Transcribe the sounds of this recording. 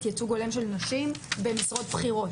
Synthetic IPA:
t̪jet͡suɡo̞lemʃe̞lnaʃimbe̞misʁo̞t̪pχiʁo̞t

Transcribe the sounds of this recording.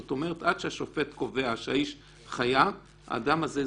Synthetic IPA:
ot̪o̞me̞ʁ̞et̪ad̪̥ʃeaʃo̞fe̞tko̞ve̞aʃeaiʃ | χaja | a̰ːdamaze

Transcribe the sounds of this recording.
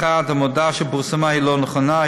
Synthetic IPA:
ad̪hamod̪aʃɛbuʁsamahilonəχɔna

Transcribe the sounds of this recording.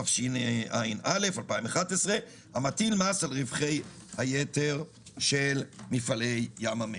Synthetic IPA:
afʃineʔajnale̞falpaimaχat̪esʁe | hamat̪ilmasalʁivχej | hajeteʁ | ʃelmifalejːamame

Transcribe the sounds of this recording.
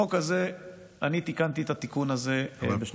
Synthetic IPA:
okaze̞ | anit̪ikant̪iet̪at̪ikunazebeʃ

